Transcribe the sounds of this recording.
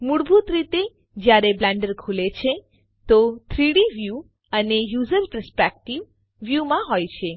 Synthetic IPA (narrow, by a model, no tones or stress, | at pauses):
muɽbʱut̪ɾit̪e | d͡ʒjaɾeblɛ̃ɳɖəɾkʰulet͡ʃʰe | t̪ot̪ʰɾiɽiʋju | ənejuzəɾpəɾspek̚ʈiʋː | jumãɦojt͡ʃʰe